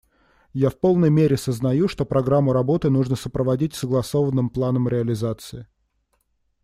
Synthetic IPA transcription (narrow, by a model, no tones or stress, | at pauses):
jafpo̞lˠnəjmʲeɾʲɪsəznɐjuʂt̪opɾɐɡɾamːʊɾɐbo̞t̪ɨnuʐnəsəpɾəvɐdʲitʲsəɡlˠɐso̞vənːɨmplˠanəmɾʲɪɐlʲɪzat̪sɨɪ